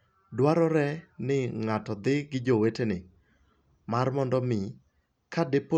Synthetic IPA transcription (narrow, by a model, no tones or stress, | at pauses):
dwaɾɔɾɛnɪŋatɔd̪ɪɡɪd͡ʒowetenɪ | marmɔndɔmɪ | kadepo